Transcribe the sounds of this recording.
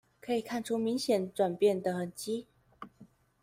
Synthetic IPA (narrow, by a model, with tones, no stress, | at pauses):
kʰɤ˧˥i˨˩kʰa˥˩nʈ͡ʂʰu˥mi˧˥ŋɕjɛ˨˥˦nʈ͡ʂwa˨˩npjɛ˥˩nd̪ə˩xə˨˩nt͡ɕi˥